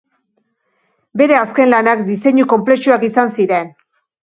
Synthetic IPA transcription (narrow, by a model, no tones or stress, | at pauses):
be̞ɾe̞aske̞nlanakd̪ise̞ɲuko̞mple̞ʃuakisansiɾe̞n